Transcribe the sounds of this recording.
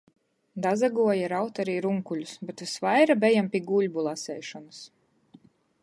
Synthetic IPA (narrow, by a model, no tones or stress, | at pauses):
d̪azaɡuɔjaɾawt̪aɾiːɾuŋkuʎʲusbet̪vʲisvajɾabʲɛjampʲiɡulʲbulˠasɛjʃɔnus